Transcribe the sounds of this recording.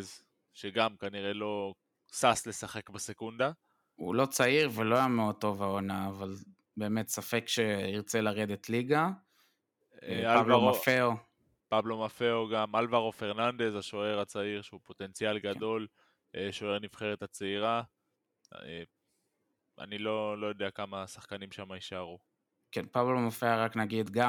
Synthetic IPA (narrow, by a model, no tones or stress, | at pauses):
z | ʃeɡamkaniʁe̞lo̞ | sasle̞saχe̞kbesekund̪a | ṵlo̞t͡saiʁvelo̞ajameod̚t̪o̞vaonaːval | be̞ːmet̪safekʃeiʁt͡selaʁed̪et̪liɡa | aaʁafeo | pablomafeoɡamalvaʁofeʁnand̪e̞zaʃo̞e̞ʁat͡saiʁʃeupo̞t̪e̞nt͡sjalɡad̪o̞l | eʃoe̞ʁnifχeʁet̪at͡seiʁa | e | a̰nilo̞lo̞jod̪eakamasaχkanimʃamaiʃaʁu | kenpablomafeaʁaknaɡid̪ɡa